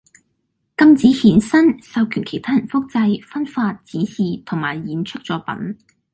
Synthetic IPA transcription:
kɐ˧mt͡siː˨˥hiː˨˥nsɐ˥nsɐ˨˧wkʰyː˨˩nkʰe˨˩jt̪ʰaː˥jɐ˨˩nfʊ˥k̚t͡sɐ˧jfɐ˥nfaː˧t̚t͡siː˨˥nsiː˨˧t̪ʰʊ˨˩ŋma̰ː˨˩jːiː˨˥nt͡ʃʰɵ˥k̚t͡sɔː˨˥pɐ̰˨˥n

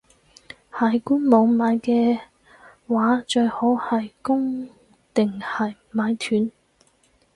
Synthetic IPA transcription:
hɐ˨˩jkuː˥nmɔː˨˧ŋmaː˨˧˥jkɛː˧ | waː˨˥t͡ʃɵ˧ɥho˨˥whɐ˨jkʊ˥ŋ | t̪ɪ˨ŋhɐ˨˩j | maː˨˧˥jt̪ʰyː˨˥n

